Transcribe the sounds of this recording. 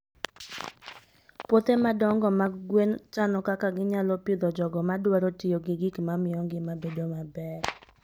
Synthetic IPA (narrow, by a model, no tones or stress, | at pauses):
pot̪emadɔŋɡɔmaɡwent͡ʃanɔkakaɡɪɲalɔpɪd̪ɔd͡ʒɔɡɔmadwaɾotɪjoɡɪɡɪkmamɪjɔŋɡɪmabedomabɛr